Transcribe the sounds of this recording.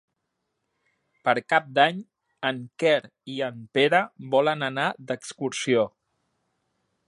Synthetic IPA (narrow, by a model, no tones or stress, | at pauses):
pəɾkap̚d̪aɲ | əŋkɛɾ | iəmpeɾəβɔlənənad̪əkskuɾsio